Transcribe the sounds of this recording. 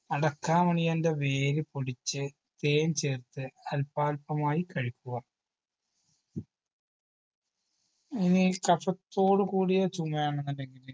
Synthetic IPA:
ɐɽɐkːaːmɐɳijɐnde̞ʋe̞ːlipoɽit͡ɕːɨ | t̪eːnt͡ɕe̞ːrt̪ːɨɐlpaːlpɐmaːjikɐɻikʲːuɣɐ | inikɐfɐt̪ːo̞ːɽukuːɽijot͡ɕumːɐjaːɳenːɐnːeŋɡil

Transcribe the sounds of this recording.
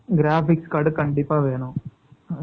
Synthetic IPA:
ɡɪɾaːfɪkskaɽɯkɐɳɖɪpːaːʋeːɳʊ̃

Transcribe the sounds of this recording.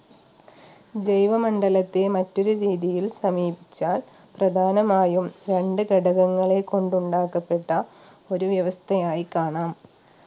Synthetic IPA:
d͡ʑejʋɐmɐɳɖɐlɐt̪ːemɐtːo̞ɾuɾiːðijilsɐmiːbit͡ɕːaːl | prɐd̪ʱaːnɐmaːjumɾe̞ɳɖɨɡɐɖɐɣɐŋːɐɭeko̞ɳɖuɳɖaːkːɐpːe̞ʈːɐ | o̞ɾuʋjɐʋɐst̪ʰɐjaːjikaːɳaːm

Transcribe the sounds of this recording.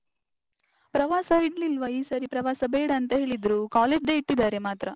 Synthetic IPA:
pɾɐʋaːsɐiɽlilʋɐiːsɐɾipɾɐʋaːsɐbeːɽɐːnt̪ɐɦe̞ːɭid̪ɾukaːleːd͡ʒɖeːiʈːid̪aːɾe̞maːt̪ɾɐ

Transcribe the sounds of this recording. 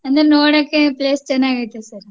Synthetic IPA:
ɐnd̪ɐnoːɽɐkːẽpleːsʈɐnaːɣɐt̪ːɐsaːɾ

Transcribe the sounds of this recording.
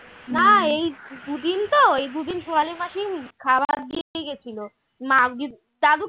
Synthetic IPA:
naejd̪ud̪int̪oejd̪ud̪inʃoaleɾmaʃikʰabaɾd̪ieɡet͡ɕʰilo | mad͡ʑi | t̪ad̪u

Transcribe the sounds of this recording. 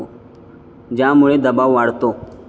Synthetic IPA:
d͡ʑjãmuɭed̪əbawʋaɽt̪o

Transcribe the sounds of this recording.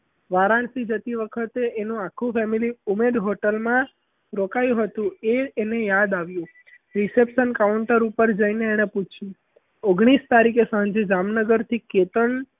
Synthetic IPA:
ʋaɾansid͡ʒət̪iʋəkʰət̪eːnũakʰːũfɛmiliumed̪ɦoʈəlmã | ɾokajũɦət̪ũeːnejad̪aʋjũ | ɾisepʃənkauɳʈəɾupəɾd͡ʒəineːɽ̃eput͡ʃʰjũ | oɡɽ̃ist̪aɾikesãɲd͡ʒed͡ʒamnəɡəɾt̪ʰiket̪əɳ

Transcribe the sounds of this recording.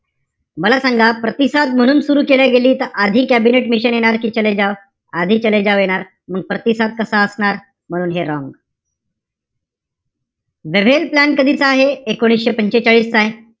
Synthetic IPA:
məlasaŋɡʱapɾət̪isad̪̚m̤əɽ̃uːnsuɾuːkeljaɡeliːt̪əɾad̪ʱiːkæbineʈmiɕənjeɽ̃aɾkiːt͡ɕəled͡ʑaʋ | ad̪ʱiːt͡ɕəled͡ʑaʋjeɽ̃aɾ | məɡ̚pɾət̪isat̪̚kəsaəsɳaɾ | m̤əɽ̃uːnɦeɾɔ̃ŋɡ | ʋeʋ̤elplænkəd̪ʱiːt͡səaɦeekoɽ̃isɕepəɲt͡ɕet͡ɕaɭiːst͡saɦe

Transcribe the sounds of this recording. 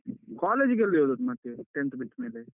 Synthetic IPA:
kaːleːd͡ʒɡeld̪ioːd̪ut̪mat̪ːeʈent̪biʈːmeːle

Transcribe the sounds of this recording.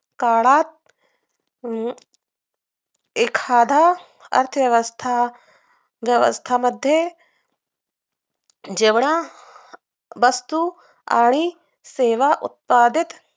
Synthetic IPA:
kaːɭaːt̪̚ | ekʰaːd̪ʱaː | ɐ̰ɾt̪ʰəʋjɐʋɐst̪ʰa | ʋjɐʋɐ̰st̪ʰamɐd̪ʱje | d͡ʒeʋɳa | ʋɐst̪u | a̰ːɳ̃i | seːʋaʔṵt̪̚paːd̪it̪

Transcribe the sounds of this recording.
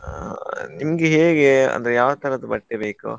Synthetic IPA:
nimɐɡeɦeːɡeɐ̰nd̪ɐɾejaːʋɐt̪ɐɾɐd̪ɐbɐʈːebeːko̰

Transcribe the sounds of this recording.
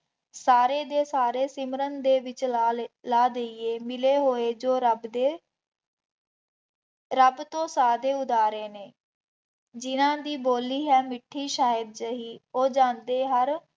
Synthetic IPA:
saːɾeːd̪eːsaːɾeːsɪmɾənd̪eːʋɪt͡ʃːlaːd̪eieːmɪleːɦoːeːd͡ʒoːɾəbd̪eː | ɾəbt̪õːsaːd̪eːʊd̪aːɾeːneː | d͡ʒɪnãːd̪iːboːlːiːɦɛːmɪʈʰːiːʃaːəd̪̚d͡ʒəɦiːoːd͡ʒãːnd̪eːɦəɾ

